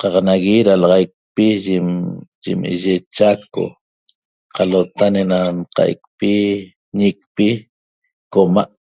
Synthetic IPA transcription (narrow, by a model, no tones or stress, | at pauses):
qɑqnaɣiɾalɑʁɑjk̚piʒ | ʒḭmḛʒet͡ʃako̰ | qalot̪anenanqa̰ʔj̰k̚pi | ɲik̚pi | komaʔ